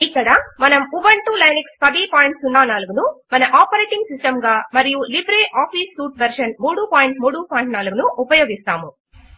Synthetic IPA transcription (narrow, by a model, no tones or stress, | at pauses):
ikːɐɽɐmɐnɐmuʋɐɳʈuːlɐjnɐkspɐd̪iːpaːjiɳʈsunːaːnaːluɡunumɐnɐʔaːpɐɾeːʈiŋɡsisʈɐmɡaːmɐɾijulibɾeːʔaːpʰiːsːuːʈʋɐɾʂɐnmuːɽupaːjiɳʈmuːɽupaːjiɳʈnaːluɡunuʔːpɐjoːɡist̪a̰ːmu